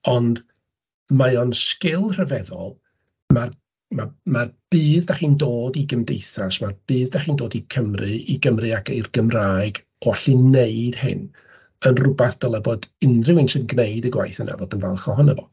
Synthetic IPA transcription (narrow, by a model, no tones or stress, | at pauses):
ɔnd | maɔnskɪlˠr̥əvɛðɔ̰lˠ | mar | mamarb̥ɨːðdaχiːndoːdiɡəmdejθaʃmarb̥ɨːðdaχiːndoːdikʰəmrɨiɡəmrɨakerɡəmraːjɡ | aɬineɨd̥hɪ̰n | ənrʊbaθd̥əlˠəbodɪnrɪwɪnʃɪnɡnejdəɡwa̰jθəna̰voːdənvɛ̰lˠχɔɦɔnəvɔ̰